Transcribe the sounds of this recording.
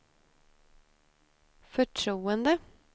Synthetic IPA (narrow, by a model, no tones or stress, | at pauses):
fɔʈʰɾuːənd̪ə